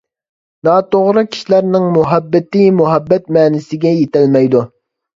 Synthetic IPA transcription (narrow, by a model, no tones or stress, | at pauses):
nɑːt̪oʁɾɨkʲʰi̥ʃlæɾnɪŋmuɦɛbːɪt̪ɪmuɦɛbːɛt̪̚mɛːnɪsɪɡʲɛjet̪ɪlmɛjd̪u